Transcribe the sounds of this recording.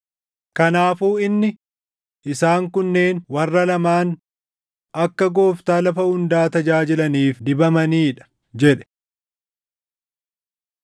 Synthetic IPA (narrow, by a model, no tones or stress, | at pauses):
kɐnaːfuːɪnːɪ | ʔɪsaːŋkʊnːe̞ːnwɐrːɐlɐmaːn | ɐkːɐɡo̞ːft̪aːlɐfɐʊnd̪aːt̪ɐd͡ʒaːd͡ʒɪlɐniːfd̪ɪbɐmɐniːᶑɐ̥ | d͡ʒɛᶑɛ̥